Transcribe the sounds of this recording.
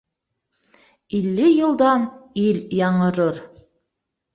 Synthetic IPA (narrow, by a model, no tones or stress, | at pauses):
ilːɘjɤ̆lˠd̪ɑniljɑɴɤ̆ɾɤɾ